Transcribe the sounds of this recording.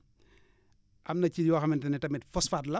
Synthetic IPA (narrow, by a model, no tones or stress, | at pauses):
ʔɐmnɐciwaxɐmɛntɐnɛtɐmɛtfɔsfaːtlɐ